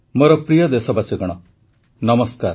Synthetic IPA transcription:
moɾɔpɾijɔd̪esɔbasiɡɔɽ̃ɔ | nɔmɔskaɾ

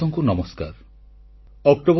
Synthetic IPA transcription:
ɔŋkunɔmɔska̰ɾ | ɔkʈob

